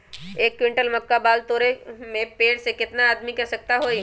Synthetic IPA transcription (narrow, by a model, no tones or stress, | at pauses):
eːkːwɪ̃ɳʈəlmɐkːabaːlt̪oːɾemẽpeːɽsekɪt̪naaːd̪mikɛsɐk̚t̪aɦoːi